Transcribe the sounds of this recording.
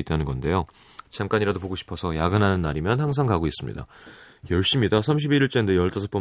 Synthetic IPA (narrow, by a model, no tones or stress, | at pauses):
it͈anɯnɡʌnde̞jo | t͡ɕamk͈aɲiɾadopoɡoɕʰi̥pʰʌsʰʌjaɡɯnɦanɯnːaɾimjʌnhaŋs̬ʰaŋkaɡois͈ɯmɲḭda̰jʌɭɕ͈imɲidasʰamɕʰibiɾiɭt͡ɕ͈endejʌɭt͈ʰasʰʌp͈ʰʌ